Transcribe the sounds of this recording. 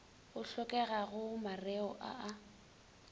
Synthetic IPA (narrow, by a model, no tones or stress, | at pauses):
ʊɬɔkʼɛɣaɣʊmarɛɔʔa̰ʔa